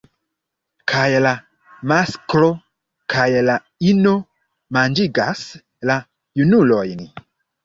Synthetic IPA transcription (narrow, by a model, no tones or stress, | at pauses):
kʰajla | masklo̞ | kʰajla | ino̞ | mand͡ʒiɡas | la | junulo̞jn